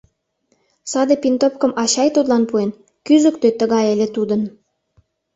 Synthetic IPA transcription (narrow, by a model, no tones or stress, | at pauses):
sɑd̪epint̪opkə̆mʔɑɕɑjt̪ut̪lɑnpuen | kyzə̆kt̪øt̪əɣɑjelet̪ud̪ən